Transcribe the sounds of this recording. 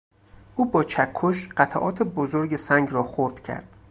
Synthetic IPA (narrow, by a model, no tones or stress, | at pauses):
ʔuːbɒːt͡ʃʰækʰːoʃɢ̥æt̪ʰæʔɒ̰ːt̪ʰebozoɾɟesæŋɡrɒːxoɾd̪̥cʰæ̰ɾd̪̥